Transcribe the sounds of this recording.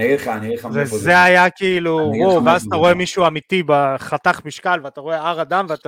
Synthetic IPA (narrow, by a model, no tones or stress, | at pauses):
nianivezeajakiiluʁuʁveazat̪aʁo̞e̞miʃuamit̪ibeχat̪aχmiʃkalveat̪aʁo̞eaʁad̪amveat̪a